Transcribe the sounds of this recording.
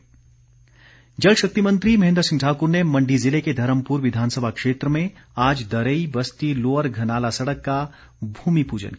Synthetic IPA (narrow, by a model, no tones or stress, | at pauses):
d͡ʒəlʃɐk̚t̪imə̃nt̪ɾimɐɦẽnd̪ɾsɪ̃ŋɡʈʰaːkuɾnemɐ̃ɳɖʱizɪleked̪ʱɐɾəmpuɾʋɪd̪ʱaːnsəbʱakʂeːt̪ɾəmẽaːd͡ʒd̪əɾəibəst̪iloːəɾɡʱɐnaːlasɐɽəkːa | bʱuːmipuːd͡ʒə̰n